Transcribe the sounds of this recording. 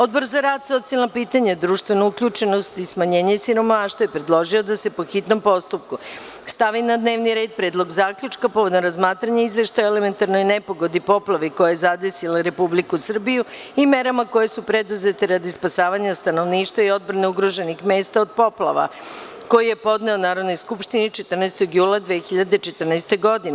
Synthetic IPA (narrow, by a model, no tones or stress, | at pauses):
o̞d̪̚bo̞ɾzaɾaːd̪so̞t̪sialnopiːt̪aɲad̪ɾuːʃt̪ʋe̞noukʎut͡ʃe̞no̞st̪ismaɲe̞ːɲesiɾo̞maːʃt̪vajepɾed̪lˠo̞ʒio̞d̪ase̞po̞xit̪no̞mpo̞st̪up̚ku | st̪aʋinad̪ne̞ːʋniɾe̞ːd̪̚pɾed̪lˠo̞ɡzaːkʎut͡ʃkapo̞ʋo̞d̪omɾazmaːt̪ɾaɲaizʋe̞ʃt̪ajoeleme̞nt̪aɾnojne̞po̞ɡo̞d̪ipo̞plˠaʋiko̞jajezad̪e̞silaɾe̞publikusr̩biju | ime̞ɾamako̞je̞supɾed̪uze̞t̪e̞ɾad̪ispasaːʋaɲast̪ano̞ʋniːʃt̪ʋaio̞d̪bɾaneuɡɾo̞ʒenixme̞ːst̪aod̪̚po̞plˠa̰ʋa̰ko̞jije̞po̞d̪ne̞onaːɾo̞d̪no̞jskupʃt̪init͡ʃe̞t̪r̩nast̪o̞ɡjuːlˠad̪ʋexiʎad̪et͡ʃet̪rnast̪e̞ɡo̞d̪in